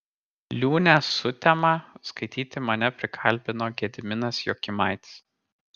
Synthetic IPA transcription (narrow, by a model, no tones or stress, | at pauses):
lʲuːnʲɛsʊt̪ʲɛmɑskɐɪt̪ʲiːt̪ʲɪmɐnʲɛpʲɾʲɪkʰɐlʲˑbʲɪnoːɡʲɛd̪ʲmʲɪnɐsjoːkʲɪmɑˑɪt̪ʲɪ̥s